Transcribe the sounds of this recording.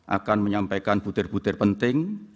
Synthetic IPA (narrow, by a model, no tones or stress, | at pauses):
ʔa̰kanməɲampajkanput̪ɪrput̪ɪrpənt̪ɪŋ